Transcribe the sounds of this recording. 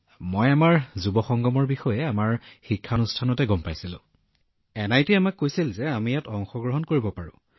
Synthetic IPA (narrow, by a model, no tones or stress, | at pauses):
mojamaɹzubɔxɔŋɡɔmɔɹbixɔjɛamaɹxikʰːanustʰanɔtɛɡɔmpajsilʊ̰̃ | ɛnajtiamakːojsilzɛamijatɔŋxɔɡɹɔɦɔnkoɹibɔpaɹʊ̰̃